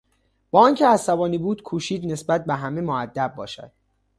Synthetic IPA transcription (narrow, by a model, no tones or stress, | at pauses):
b̥ɒːɒːncʰeæsæbɒːniːbuːd̪̥kʰuːʃiːd̪ne̞sbæt̪̚beɦæmemoæd̪ːæb̚ːɒ̰ːʃæ̰d̪̥